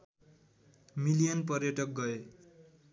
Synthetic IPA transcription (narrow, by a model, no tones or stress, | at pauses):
milijʌnpʌrjʌʈʌk̚ɡʌe